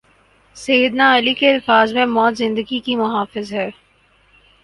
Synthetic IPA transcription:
sɐjəd̪naɐlikeɐlfaːzmẽmɔːt̪zɪ̃nd̪əɡikimʊɦaːfɪzɦɛː

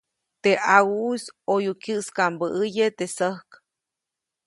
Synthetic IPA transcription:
t̪eʔawusojukjɨʔskambəʔəjet̪esəhk

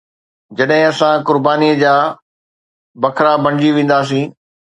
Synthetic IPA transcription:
d͡ʑɐɗɦɪ̃ɐsãkʊɾbaːniəd͡ʑaː | bɐkʰɾabɐ̃ɪd͡ʑiʋẽːn̆d̪aːs̬ĩː

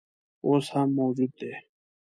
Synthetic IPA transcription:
oːshamːoːd͡ʑuːd̪̚eː

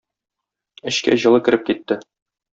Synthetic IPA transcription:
ɘ̆ɕkæ̰ʑɤ̆lˠɤkɘ̆ɾɘp̚kit̪ːɘ

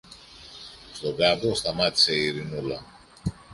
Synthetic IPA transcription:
st̪o̞bɾɐbost̪ɐmat̪i̥se̞iɾinulɐ

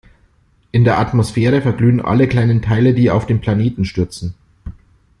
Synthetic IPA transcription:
ʔɪndeːɐʔatmosfɛːʁ̞əfɛɐɡlyːənʔa̰ləkl̥aɪnəntʰaɪlədiːa̰ʊfd̥eːnpʰl̥aneːtn̩ʃtʏɐt͡sn̩

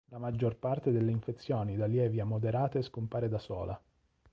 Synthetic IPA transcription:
lamad͡ʒːorpart̪ed̪elːeiɱfet̪sːjoːnid̪aljɛːvjamod̪eɾaːt̪eskompaːɾed̪asɔ̰ːla̰

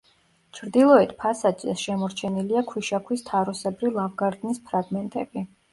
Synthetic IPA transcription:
t͡ʃʰɾd̪ilˠɔɛt̪ʰpʰasad͡ʒɛsʃɛmɔɾt͡ʃʰɛniliakʰwiʃakʰwist̪ʰaɾusɛbɾilˠavɡaɾd̪nispʰɾaɡmɛnt̪ʼɛbi

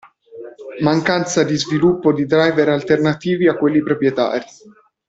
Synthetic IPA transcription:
maŋkant̪sad̪izvilupːod̪id̪ɾajveɾalt̪ernat̪iːviakːwelːipɾopɾjet̪a̰ːɾi

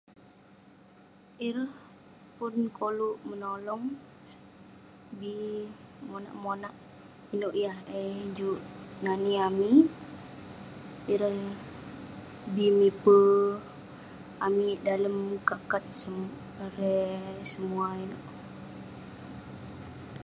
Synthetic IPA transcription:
iɾəh | pʊnkoluʔmənolɔŋ | bi | mona̰ʔmonaʔ | inoʔjahed͡ʒuʔnaniami | iɾəh | bimipə | amidaləmkakat̪̚sə | ɾesəmuainoʔ

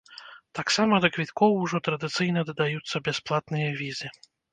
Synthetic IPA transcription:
t̪aksamɐd̪ɐkvʲit̪kɔwuʐɔt̪ɾɐd̪ɨt̪sɨjnɐd̪ɐd̪ajut̪sːɐbʲɛsplˠat̪nɨjɐvʲizɨ

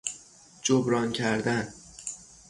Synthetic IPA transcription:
d͡ʒobɾɒːncʰæɾd̪æn

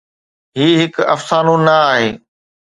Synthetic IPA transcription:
ɦiːɦɪkɐ̰fsaːnũnɐaːɦeː

